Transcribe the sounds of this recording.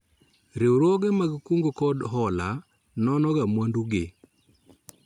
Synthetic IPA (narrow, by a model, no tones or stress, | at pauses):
ɾewɾoɡemaɡkuŋɡokɔdɦɔla | nɔnɔɡamwanduɡe